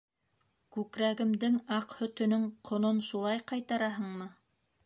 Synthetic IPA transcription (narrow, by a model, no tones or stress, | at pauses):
kʉkɾæɡɘ̆md̪ɘŋɑqhɵ̆t̪ɵ̆nɵŋqʰŏnonʃulˠɑjqɑjt̪ɑɾɑɦɤɴmɤ